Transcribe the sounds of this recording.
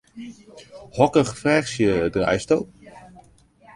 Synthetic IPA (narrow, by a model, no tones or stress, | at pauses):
hɔkəχfrɛːxsjədra̰jstoː